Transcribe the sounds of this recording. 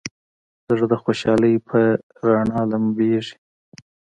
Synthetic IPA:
zəʐd̪əxoʃɑləjpʰə | ɾɑɳɑlambeʐi̥

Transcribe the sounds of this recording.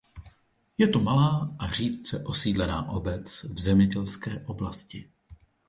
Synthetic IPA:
jɛt̪o̞malaːʔar̝iːt̪̚t͡sɛʔo̞siːdlɛnaːʔo̞bɛt͡svzɛmɲɛɟɛlskɛːʔo̞blascɪ

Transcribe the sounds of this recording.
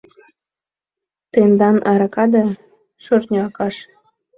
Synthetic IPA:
t̪end̪ɑnʔɑɾɑkɑd̪ɑ | ʃørnʲɑkɑʃ

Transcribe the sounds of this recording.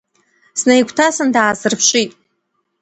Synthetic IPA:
snajkʷʰtʰasɨndaːzɨrpʰʃʷʼitʼ

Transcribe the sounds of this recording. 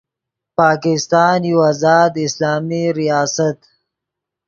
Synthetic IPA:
pɑːkɪst̪ɑːnjuwazɑːd̪ɪslɑːmiɾijɑːsat̪

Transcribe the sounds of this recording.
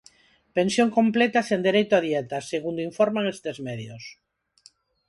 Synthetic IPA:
pensjoŋkõmplɛt̪asend̪eɾejt̪ʊaðiɛt̪aseɣund̪oiɱfoɾmaŋest̪ezmɛðjos

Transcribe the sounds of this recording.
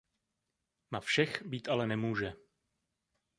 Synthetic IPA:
nafʃɛxbiːt̪ʔalɛnɛmuːʒɛ

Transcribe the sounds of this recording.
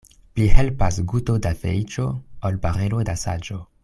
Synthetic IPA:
plihelpasɡuto̞dafḛit͡ʃo̞olpaʁelo̞dasa̰d͡ʒo

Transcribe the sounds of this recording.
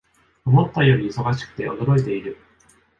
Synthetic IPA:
omo̞t̪ːajo̞ɾʲiːso̞ɡaɕi̥kɯ̥t̪e̞̰ʔo̞d̪o̞ɾo̞it̪e̞iɾɯ̟

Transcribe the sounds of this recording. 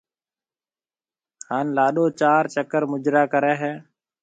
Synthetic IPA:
haːnlaːɗoːt͡ʃaːɾt͡ʃəkəɾmʊd͡ʒɾaːkəɾɛ̃ːɦɛː

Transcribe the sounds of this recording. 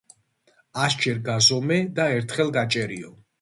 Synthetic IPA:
asd͡ʒɛɾɡazɔmɛd̪aɛɾt̪ʰχɛlɡat͡ʃʼɛɾiɔ

